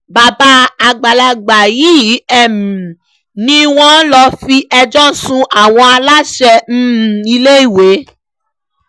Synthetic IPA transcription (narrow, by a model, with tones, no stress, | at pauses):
ba˨ba˦a˧ɡ͡ba˨la˧ɡ͡ba˨ji˦˨˦ɛ˨mũ˨ | nĩ˦˧˦w̃ɔ̃˦lɔ˧fi˧ʔɛ˧d͡ʒɔ˦sũ˧ʔa˨w̃ɔ̃˧a˧la˦ʃɛ˧n̩˦˨i˧le˦i˦˨we˨˦